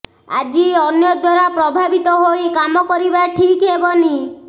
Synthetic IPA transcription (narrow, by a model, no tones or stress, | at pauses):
a̰d͡ʒiɔnjɔd̪waɾapɾɔbʱabit̪ɔɦojkamɔkɔɾibaʈʰikɦebɔni